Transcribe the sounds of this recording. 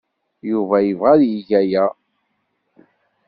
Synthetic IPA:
juvæjəvʁaðjiʝæjæ

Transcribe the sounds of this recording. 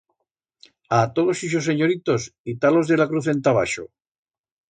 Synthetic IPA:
at̪oðosiʃos̬eɲoɾit̪o̞sit̪alo̞zðelakɾuθe̞nt̪aβa̰ʃo̰

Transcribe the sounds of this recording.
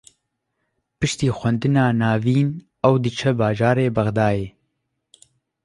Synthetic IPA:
pɨʃt̪iːxʷɛnd̪ɨnaːnaːviːn | ɛwd̪ɨt͡ʃʰɛbaːʒaːɾeːbɐɣd̪aːjeː

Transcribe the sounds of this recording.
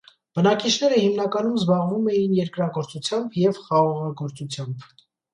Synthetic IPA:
b̥ənɑkit͡ʃʰnɛɾəhimnɑkɑnumzbɑʁvumɛjinjɛɾkɾɑɡɔɾt͡sut͡sʰjɑmbjɛvχɑʁɑʁɑɡɔɾt͡sut͡sʰjɑmb

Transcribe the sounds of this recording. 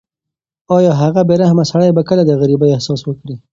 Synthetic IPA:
ɑjɑɦaɣabeɾahmasaɽajbakəlad̪əɣaɾibajehsɑswəkɽi

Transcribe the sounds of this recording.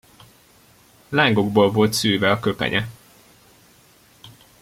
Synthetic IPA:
laːŋɡo̞ɡbolvo̞lt̪syːvɛɒkø̞pɛ̰ɲɛ

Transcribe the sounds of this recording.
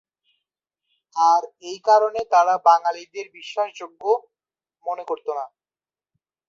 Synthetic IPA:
aɾejkaɾonet̪aɾabaŋalid̪eɾbiʃːaʃd͡ʑoɡːo | monekoɾt̪ona

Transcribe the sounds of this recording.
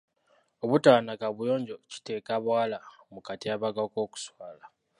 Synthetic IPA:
o̞βutaːnakaβujo̞ːɲɟo̞ci̥te̞ːkaβwaːla | mukatiaβaɡako̞ːku̥swaːla

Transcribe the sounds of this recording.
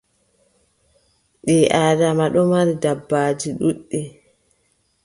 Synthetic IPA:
ɗiʔaːdamaɗɔmaɾidabːaːd͡ʒiɗuɗːi

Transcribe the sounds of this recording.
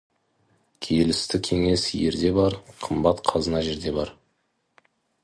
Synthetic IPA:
kʲʰejelɪst̪ɪkʲʰe̞ŋe̞sje̞ɾd̪e̞bɑɾqʰəmbɑt̪qʰɑzənɑʒe̞ɾd̪e̞bɑɾ

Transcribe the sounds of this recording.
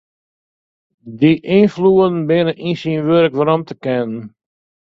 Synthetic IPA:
diʔinfluːən̩bɪnəʔinsinʋøɾəkʋaɾɔmtəkɪnən

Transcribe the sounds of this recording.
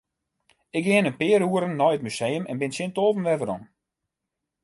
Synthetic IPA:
ɪk̚ɡɪənənpɪəɾuəɾənːɔjət̚mysejəmɛ̰nbɪnsɪntoːvənʋɛvəɾɔ̰n

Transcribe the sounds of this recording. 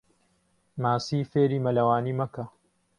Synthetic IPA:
maːsiːfeːɾiːmɐlɐwaːniːmɐkɐ

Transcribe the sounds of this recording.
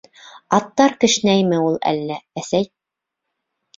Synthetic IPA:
ɑt̪ːɑɾkɘ̆ʃnæjmɘulˠæ̰lːææsæj

